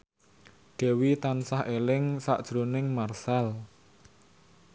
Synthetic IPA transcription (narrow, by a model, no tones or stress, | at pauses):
ɖ̥ɛ̤wit̪ansahʔelɪŋsa̰ʔd̥ʒ̥ɾonɪŋmarsal